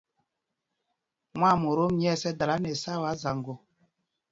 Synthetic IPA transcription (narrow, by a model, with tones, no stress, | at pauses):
mwa˦˨mu˨ɾo˦m˦ɲɛ˦˨sɛ˦da˨la˨˦nɛ˨sa˦˨wa˨˦za˨ŋɡo˨